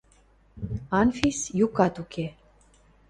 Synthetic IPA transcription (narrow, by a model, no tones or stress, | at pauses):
ɑnfisjukɑt̪ukʰe